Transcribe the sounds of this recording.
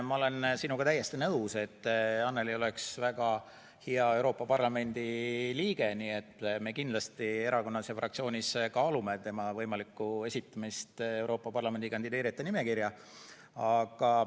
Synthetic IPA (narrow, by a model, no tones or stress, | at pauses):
mɑole̞nsinuɡ̥ɑt̪æje̞st̪inɤuse̞t̪ːɑnːe̞lio̞le̞ksvæɡ̥ɑ | hiɑe̞wɾo̞ːpːˑɑpɑrlɑme̞nʲd̪̥iliːɡe̞nie̞t̪ːme̞kind̪lɑst̪ie̞ɾɑko̞nːɑsjɑfrɑkt̪sio̞ːnʲiskɑːlume̞t̪e̞mɑvɤjmɑlikːˑue̞sit̪ːˑɑmist̪e̞wɾo̞ːpːˑɑpɑrlɑme̞nd̪ikɑnd̪id̪e̞ːɾit̪ːˑenime̞kirjɑ | ɑɡ̥ɑ